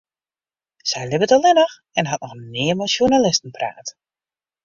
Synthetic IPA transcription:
sɛjlɪbətɔlˠɪnəx | ɛnɦɑtnɔxnɪːəmɛsjunalɪstən̩pra̰ːt

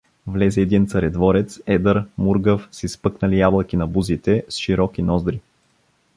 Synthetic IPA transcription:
vlɛzɛːd̪int̪sɐɾɛd̪vɔɾɛt̪sɛd̪əɾmuɾɡəfsispɤknəlijablˠəkinɐbuzit̪ɛsʃiɾɔkinɔzd̪ɾi

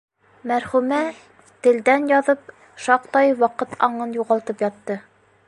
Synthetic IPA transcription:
mæɾhʉmæ | t̪ɘ̆ld̪ænjɑðɤp̚ | ʃɑqt̪ɑjwɑqɤt̪ʰɑɴɤnjuʁɑlˠt̪ɤpjɑt̪ːɤ

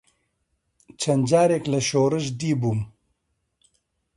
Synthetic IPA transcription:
t͡ʃʰɐnd͡ʒaːɾeːklɐʃoːɾəʒd̪iːbum

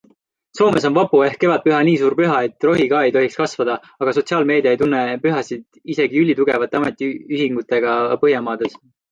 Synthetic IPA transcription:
so̞ːme̞so̞nvɑpue̞hkːe̞vɑd̪̚pyɦɑniːsuːɾpyɦɑe̞t̪ːˑro̞ɦikɑːe̞jt̪o̞ɦikskɑsvɑd̪̥ɑ | ɑɡ̥ɑs̬o̞t̪siɑːlme̞ːd̪iɑejt̪unːe̞pyɦɑsid̪̥ | ise̞ɡ̥iylʲːit̪uɡe̞vɑt̪ːˑeɑme̞t̪ːˑiyɦiŋɡ̥ut̪ːˑe̞ɡ̥ɑpɤɦjɑmɑːd̪̥e̞s

